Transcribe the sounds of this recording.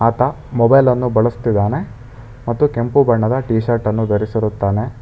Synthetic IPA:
aːt̪ɐ | mɔbɐjlɐnːubɐɭust̪id̪ːaːne̞ | mɐt̪ːukempubɐɳːɐd̪ɐʈiːʃɐɾʈɐnːud̪ɐɾisiɾut̪ːaːne̞

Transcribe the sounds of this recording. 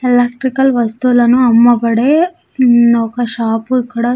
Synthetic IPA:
ilɐk̚ʈɾikɐlʋɐst̪ulɐnuɐmːɐpɐɽe | okɐʃaːpuikːɐɽɐ

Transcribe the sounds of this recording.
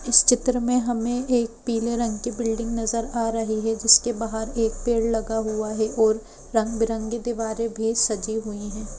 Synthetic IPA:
ɪst͡ʃɪt̪ɾəmẽɦɐmẽeːk̚piːleɾɐ̃ŋɡkibɪlɖɪ̃ŋɡnɐzəɾaːɾɐɦiɦɛd͡ʒɪskebaːɦəɾeːk̚peːɽlɐɡaɦuaɦɛʔɔːɾː | ɐ̃ŋɡbɪɾə̃ŋɡed̪iʋaːɾebʱisɐd͡ʒiɦuiɦɛ̃ː

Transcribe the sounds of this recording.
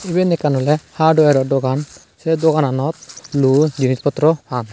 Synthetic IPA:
ibɛnɛkanɔlɛhadɔaɾɔdɔɡan | sɛdɔɡananɔt̪̚lud͡ʒinispɔt̪ɾɔhan

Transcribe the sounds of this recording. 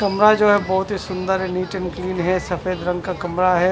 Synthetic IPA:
kɐmɾad͡ʒoːɦɛbɔɦʊt̪ɦisʊ̃nd̪əɾɦɛniːʈənkliːnɦɛsɐfeːd̪ɾɐ̃ŋɡkakɐmɾaɦɛː

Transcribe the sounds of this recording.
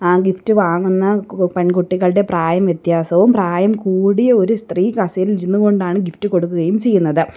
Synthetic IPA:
aːɡiftɨʋaːŋːunːɐpɐnkuʈːiɣɐɭɽe̞praːjɐmjet̪jaːsɐʋumpraːjɐmkuːɽijɐo̞ɾust̪riːkɐsɐjiliɾunːuɣo̞ɳɖaːɳɨɡiftɨko̞ɽukːuɣɐjumt͡ɕe̞jːunːɐðɨ

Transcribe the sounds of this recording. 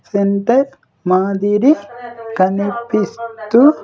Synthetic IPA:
senʈɐɾ | maːd̪iɾiɡɐnipist̪u

